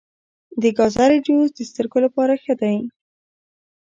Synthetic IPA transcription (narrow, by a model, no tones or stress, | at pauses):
d̪əɡɑzaɾid͡ʒozd̪əst̪əɾɡolapɑɾaxəd̪aj